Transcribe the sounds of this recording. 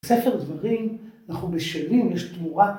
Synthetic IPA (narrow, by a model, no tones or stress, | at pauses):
sefeʁd̪vaʁimanaχnubeʃelimjɛʃt̪muʁa